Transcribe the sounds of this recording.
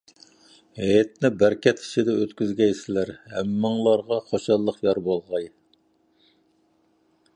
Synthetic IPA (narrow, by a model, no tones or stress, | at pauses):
hɛjɛt̪̚nɪbæɾkʲɛt̪ʰi̥t͡ʃʰid̪ɛøt̪kʲyzɡʲɛjsɪlæɾhæmːɨŋlˠɑɾʁɑχoʃɑlˠːəqjɑɾbolˠʁɑj